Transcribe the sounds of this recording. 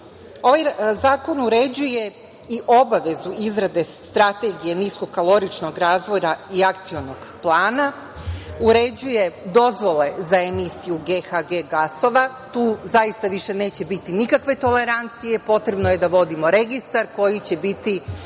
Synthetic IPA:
o̞ʋajzaːko̞nuɾe̞d͡ʑuje̞ | iʔo̞baʋe̞zuizɾad̪e̞t̪ɾat̪e̞ɡije̞nisko̞kalˠo̞ɾit͡ʃno̞ɡɾaːzʋo̞jaiak̚t̪sio̞no̞ɡplˠaːna | uɾe̞d͡ʑuje̞d̪o̞zʋo̞le̞zaemisijuɡe̞xaɡe̞ɡaso̞ʋa | t̪uːzajist̪aʋiʃe̞ne̞ːt͡ɕe̞bit̪inikakʋe̞t̪o̞le̞ɾant̪sije̞po̞t̪ɾe̞bnoje̞d̪aʋo̞d̪imo̞ɾe̞ɡist̪aɾko̞jit͡ɕe̞bit̪i

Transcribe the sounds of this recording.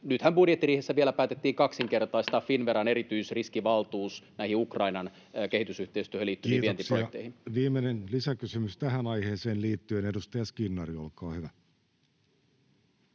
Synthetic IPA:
nyt̪hæmbudjet̪ːiriːhesːæʋielæpæːt̪et̪ːiːŋkɑksiŋke̞rt̪ɑist̪ɑːffinʋeɾɑne̞ɾit̪yisriskiʋɑlt̪uːsnæihiukrɑinɑn | ke̞hit̪ysyht̪eist̪yøhøliːt̪ːyiːtʋeent̪ipsojet̪ːˑeihinʋiːmenenlisækysymyst̪æhænɑjheːseːnliːt̪ːyenedust̪ɑjɑskinːɑrio̰lkɑːhyʋæ

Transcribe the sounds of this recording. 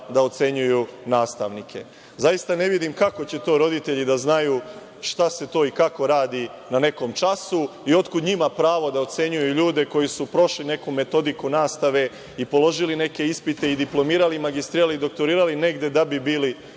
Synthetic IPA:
d̪ao̞t̪se̞ɲujunaːst̪aʋnikʰe̞̰ | zajist̪ane̞ʋid̪imkako̞t͡ɕe̞t̪o̞ːɾo̞d̪it̪e̞ʎid̪aznajuː | ʃt̪ase̞t̪o̞ːikako̞ɾaːd̪i | nane̞ko̞mt͡ʃasuio̞t̪kud̪ɲimapɾaːʋo̞d̪aot̪se̞ɲujuʎuːd̪e̞ko̞jisupɾo̞ʃline̞kume̞t̪o̞d̪ikunaːst̪aʋe̞ | ipo̞lo̞ʒiline̞ke̞ispit̪e̞id̪iplˠo̞miːɾalimaɡist̪ɾiːɾalid̪o̞k̚t̪o̞ɾiːɾaline̞ɡd̪ed̪abibiːli

